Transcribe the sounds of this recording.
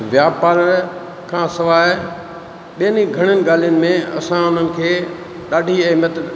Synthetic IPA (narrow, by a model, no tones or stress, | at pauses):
ʋjaːpaːɾə | kʰãːsɐʋaː | ɓijəniɡʱɐɽ̃ənɪ̆ɡaːl̤ijʊnɪ̆mẽɐ̰sãʊn̤ənɪ̆kʰeː | ɗaːɖʱiɐɦmət̪